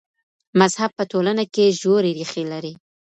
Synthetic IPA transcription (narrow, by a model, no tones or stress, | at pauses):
mazhab̚pətolanakeʒoɾeɾixelaɾi